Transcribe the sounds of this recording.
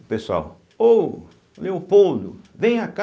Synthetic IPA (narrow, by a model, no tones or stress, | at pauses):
pesʊa̰w | o | oleʊpolʊ̰ | vẽj̃aka